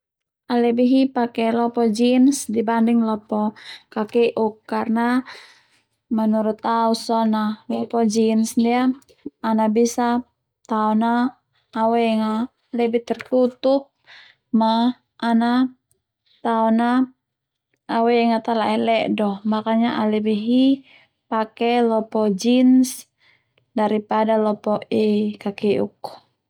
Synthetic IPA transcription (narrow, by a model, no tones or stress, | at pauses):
alɛbiɦipakɛlɔpɔd͡ʒinsdibandiŋlɔpɔkakɛʔukːarna | manuɾut̪ausɔnalɔpɔd͡ʒinsdiaː | nabisa | t̪aɔnaː | wɛŋa | lɛbit̪ɛrt̪ut̪up̚ | maː | na | t̪aɔna | wɛɛŋat̪alaʔɛlɛʔdɔhmakaɲaʔalɛbɛɦi | pakɛlɔpɔd͡ʒins | daɾipadalɔpɔɛkakɛṵk